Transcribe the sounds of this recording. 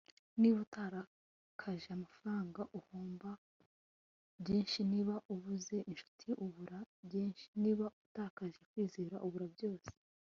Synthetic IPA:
niβutaɾa | kʰaʒeamafaɾaːŋɡaʔuhoːmba | bjeːnʃiniːβaʔuβuze̞ʔinʃu̥tʰiʔuβuɾabjeːnʃi̥niːβautaːkaʒe̞kwiːzeːɾaʔuβuɾabjo̞ːse̥

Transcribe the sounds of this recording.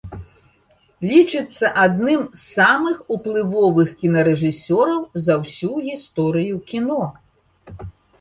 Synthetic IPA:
lʲit͡ʂɨt̪sːɐʔad̪nɨmsːamɨxuplˠɨvɔvɨxkʲinɐɾɛʐɨsʲɔɾɐwzɐwsʲuɣʲist̪ɔɾɨjukʲinɔ

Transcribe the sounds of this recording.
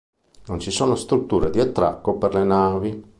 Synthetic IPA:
nont͡ʃisoːnost̪ɾut̪ːuːɾed̪iat̪ːɾa̰kːoperlenaːvi

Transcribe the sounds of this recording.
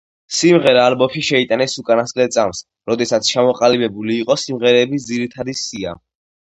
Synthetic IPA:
simʁɛɾaːlbɔpʰiʃɛit̪ʼanɛsukʼanaskʼlɛt̪sʼams | ɾɔd̪ɛsat̪sʰt͡ʃʰamɔqʼalibɛbuliːqʼɔsimʁɛɾɛːbisd̪ziɾit̪ʰad̪isia̰

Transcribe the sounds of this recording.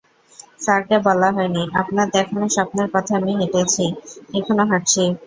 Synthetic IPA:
saɾkebɔlaɦɔeniʔapnad̪ɛkʰonoʃapneɾpɔt̪ʰeamiɦeʈet͡ɕʰiɛkʰonoɦaʈt͡ɕʰi

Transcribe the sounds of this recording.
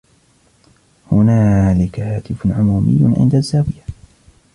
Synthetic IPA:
hʊnaːlɪkahaːt̪ɪfʕʊmuːmɪ̰jːʊʕɪ̰nd̪azːaːwɪja

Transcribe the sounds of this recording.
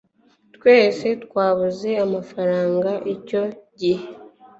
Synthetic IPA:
tkwe̞ːse̞tkwaːβuze̞amafaɾaːŋɡaʔeco̞ɟihe

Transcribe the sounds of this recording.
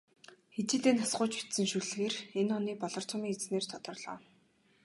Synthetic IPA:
xet̪ĭːt̪eːnasɢʊːt͡ɕpi̥t̪sɘ̆ŋʃuɮɣeːrenɔniːpɔɮɞ̆r̥t͡s̪ʰʊmiːŋet͡sneːrt̪ʰɔt̪ɞ̆rɮɔ̰ː

